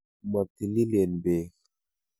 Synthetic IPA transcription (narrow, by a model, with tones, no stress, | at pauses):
ma˨t̪i˨li˦le˨nbe˨